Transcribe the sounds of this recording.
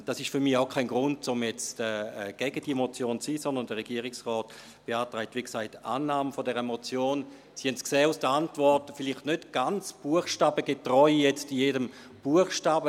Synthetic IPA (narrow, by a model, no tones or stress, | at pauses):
d̥asɪʃtfyɐmiaʊkʰaɪnɡʁʊnt̚t͡sʊmjɛt͡stɛɡ̥ɛɡ̥əd̥iəmot͡sjoːnt͡siːsɔndəɐndəʁeɡ̥iːʁɪksʁɔːt | b̥eaːtʁaɪtːʋiːksaɪta̰ːnːaːməfodɛʁəmot͡sjoːn | sihɛntsksɛːusd̥əantvɔɐtfɪliχtnøtɡ̥ant͡sb̥uəχʃtaːbəɡetʁɔʏjɛt͡stijeːdəm | b̥uəχʃtaːbə